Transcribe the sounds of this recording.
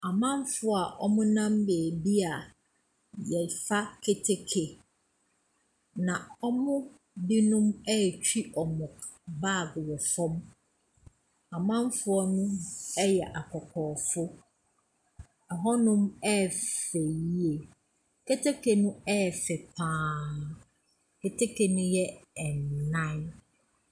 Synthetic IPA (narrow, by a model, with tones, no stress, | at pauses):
a˨mã˦m˦fʊ˦a˨ʔɔ̰˦mʊ̃˦nã˦mbeː˨bi˦a˨ | jɛ˨fa˦kʰe˦tʰe˦kʰe˨ | nã˨ɔ˦mʊ̃˦ | di˦nʊ̃˦mɛ˦˨t͡ɕᶣi˦ʔɔ˨mʊ̃˨ | ba˦˨ɡwɔ˨fɔ̃˦m | a˨mã˦m˦fʊ˦ɔ˦nʊ̃˦ɛ˦jɛ˨ʔa˨kʰɔ˨kʰɔː˨fʊ˦ | ɛ˨ɦɔ˦nʊ̃˦mɛ˦˨fe˨ji˦e˨ | kʰe˦tʰe˦kʰe˨nʊ̃˦ɛ˦˨fɛ˨pʰãː˦ | kʰe˨tʰe˦kʰe˨nʊ̃˦jɛ˦ɛ˨n˨nã˦n